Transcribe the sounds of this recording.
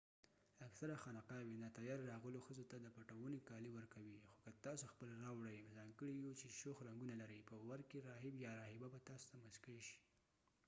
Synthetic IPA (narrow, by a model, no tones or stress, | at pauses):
aksaɾaxanaqɑwenat̪ajɑɾɾɑɣəloxəzot̪ad̪əpaʈawənekɑliwəɾkawixokat̪ɑsoxpəlɾɑwɽajzɑŋɡəɽijut͡ʃeʃoxɾaŋɡunalaɾəjpəwaɾkeɾɑɦɪbjɑɾɑhɪbabat̪ɑso̥t̪amaskəɽeʃi̥